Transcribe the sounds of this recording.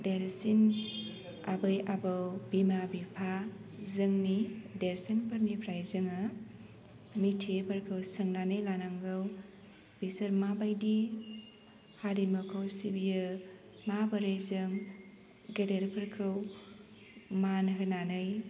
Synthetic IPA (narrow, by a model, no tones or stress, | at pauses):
deɾsin | abɯjʔabɐwbimabipʰazɯŋnideɾsinpʰɐɾnipʰɾajzɯŋɐ | mitʰepʰɐɾkʰɯwsɐŋnanɯjlanaŋɡɯw | b̥isɐɾmabajdi | haɾimɐkʰowsibijɯ | mabɐɾejzɯŋ | ɡedeɾpʰɐɾkʰɯw | manɐkɐnanɯj